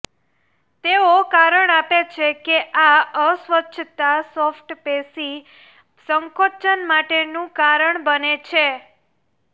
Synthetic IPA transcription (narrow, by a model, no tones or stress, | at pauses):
t̪eokaɾəɳapet͡ʃʰekeʔaəsʋətːʃʰət̪asofʈpesi | səŋkot͡ʃənmaʈenũkaɾəɳbənet͡ʃʰe